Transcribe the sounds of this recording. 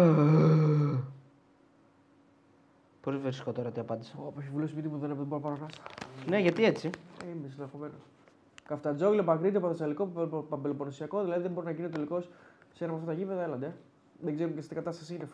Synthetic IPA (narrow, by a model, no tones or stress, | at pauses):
poliveɾisi̥kot̪o̞ɾɐt̪iɐpɐnd̪iseopoçivulusmit̪ipuðenðeboɾopɐɾonɐsɐ̥neʝɐt̪ie̞t͡sieims̬enðexome̞nos | kɐft̪ɐd͡zoilepɐkɾid̪iɐpoθesɐlikopɐmbeloponosiɐko̞ðilɐðiðembo̞ɾinɐʝinet̪et̪eliko̞ssenɐpɐft̪ɐt̪ɐʝipeðɐelɐnd̪e | ðeɡzeɾumcest̪iɡɐt̪ɐst̪ɐsiinef